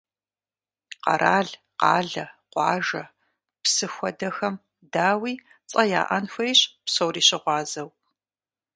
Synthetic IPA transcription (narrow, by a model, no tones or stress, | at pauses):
qɐ̰ɾʔaːɮ | qɑ̰ːɮɐqʷɑ̰ːʒɐ | psɨxʷɔdɐxɐm | daːwiː | t͡sʼɐja̰ːʔɐnxʷɐjɕpsowriːɕɪʁʷɑːzɐw